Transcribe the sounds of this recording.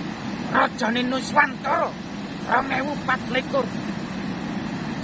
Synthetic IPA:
rɔd̥ʒ̥ɔ̤nenuswant̪ɔɾɔ | rɔŋɛwupat̪leko

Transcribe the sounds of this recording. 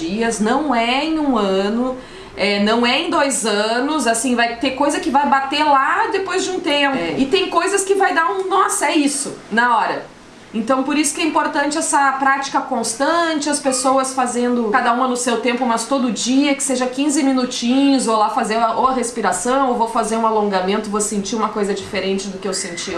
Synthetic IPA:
iɐznɐ̃w̃ɛẽj̃ũɐ̃nʊ | ɛnɐ̃w̃ɛẽj̃d̪ojzɐ̃nʊzasĩvajt̪ekojzɐkɪvajbat̪elad̪epojzd͡ʒɪũt̪ẽpʊɪt̪ẽj̃kojzɐskɪvajd̪aũnɔsɐɛisʊnɐɔɾɐ | ẽnt̪ɐ̃w̃poɾisʊ̥kɪɛĩmpoɾt̪ɐ̃nt͡ʃɪɛsɐpɾat͡ʃi̥kɐkõst̪ɐ̃t͡ʃɪɐspesowɐsfazẽnd̪ʊkad̪ɐũmɐnʊsewt̪ẽmpʊmɐst̪od̪ʊd͡ʒiɐkɪ̥seʒɐkĩzɪmĩnut͡ʃĩɲʊzolafazẽɾɐʔoɐɦespiɾasɐ̃w̃owvowfazeɾũalõŋɡamẽnt̪ʊvosẽnt͡ʃiũmɐkojzɐd͡ʒifeɾẽnt͡ʃɪd̪ʊkɪewsẽnt͡ʃi

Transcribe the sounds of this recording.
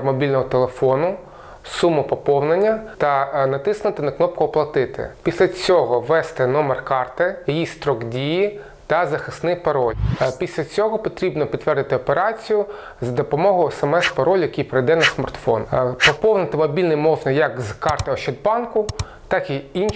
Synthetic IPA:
mɔbʲilʲnɔɦɔt̪elˠefɔnʊ | sumʊpɔpɔwnenʲːɐt̪ɐnɐt̪ɪsnʊt̪ɪnɐknɔp̚kʊɔplˠɐt̪ɪt̪ɪ̰pʲisʲlʲɐt͡sʲɔɦɔʋɛst̪ɛnɔmerkɑrt̪ɪjɐjist̪ɾɔɡdʲiji | t̪ɐzɐxɪsnɪpɐɾɔlʲpʲisʲlʲɐt͡sʲɔɦɔpɔt̪ɾʲibnɔpʲd̪t̪ːʋɛrd̪ɪt̪ɪɔpeɾɑt͡sʲijʊ | zɐd̪ɔpɔmɔɦʊjɛsɛmɛspɐɾɔlʲjɐkʲijpɾejd̪ɛnɐsmɐ̰rt̪fɔ̰npɔpɔwnɪt̪ɪmɔbʲilʲnɪjmɔʒnɐjɐkzkɑrt̪ɪɔʃɪd̪̚bɑnkʊ | t̪ɑkiin

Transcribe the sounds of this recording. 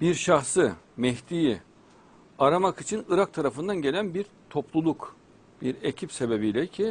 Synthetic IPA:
biɾʃaxsɯ | mɛçt̪iji | aɾamakit͡ʃʰinɯɾak̚t̪ʰaɾafɯnd̪anɟe̞lʲænbiɾ | t̪ʰo̞plˠulˠuk | b̥iɾe̞cʰipse̞be̞bijlʲɛcʰi

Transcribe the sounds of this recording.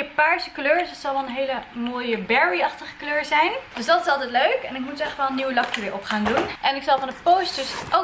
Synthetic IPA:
əpaːɹsəkløːɹsdɑtsɑlˠʋɛlˠənɦejləmoːjəbɛɹiɑχtəχəkløːɹzɛjnd̥øsdɑtɪsɑlˠtɛjtløɥkɛnɪkmutɛχʋɛlˠənːiwəlɑkjəʋɪːɹʔɔpχaːndunʔɛnɪksɑlˠvɑndəpowstəsʔo

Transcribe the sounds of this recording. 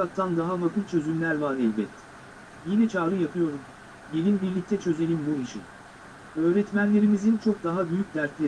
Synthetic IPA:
ak̚t̪ʰand̪aɦamakʰɯlˠt͡ʃʰø̞zymlʲæɾvaɾɛlʲbɛt̪ | jinɛt͡ʃʰaːɾɯjapʰɯjo̞ɾum | bilinbiɾlʲic̚t̪ʰɛt͡ʃʰø̞ze̞nʲimbuiʃḭn | ø̞ːɾɛt̪mænlʲe̞ɾimizint͡ʃʰo̞k̚d̪aɦabyjyc̚ʲd̪æɾt̪lʲe

